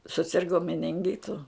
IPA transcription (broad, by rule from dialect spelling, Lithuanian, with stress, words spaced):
sʊˈsʲɪrɡoː mʲɛnʲɪŋʲˈɡʲɪtʊ